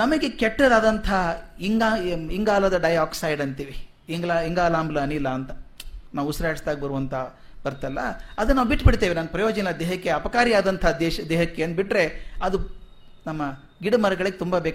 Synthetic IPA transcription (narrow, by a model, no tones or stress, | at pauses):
nɐmɐɡe̞kɛʈːɾɐd̪aːd̪ɐnt̪ʰɐiŋɡaːiŋɡaːlɐd̪ɐɖɐjaːksɐjɖɐnt̪iːʋi | iŋɡlaiŋɡaːlaːmbulɐɐnilːɐːnt̪ɐnaːʋusɐɾaːɐɽst̪aːɡ̚bɐɾuʋɐnt̪ʰɐ | b̥ɐɾt̪ɐlːɐ̰ɐd̪ɐnːaːʋubiʈːbiɽt̪eːʋinaːnpɾɐjoːd͡ʒɐnnɐd̪ɛːɦɐkːeɐpɐkaːɾijaːd̪ɐnt̪ʰɐd̪ɛːʃɐd̪ɛːɦɐkːeːnbiʈɾe̞ɐd̪u | nɐmːɐ | ɡiɽmɐɾɐɡɐɭiɡet̪umbɐbeːk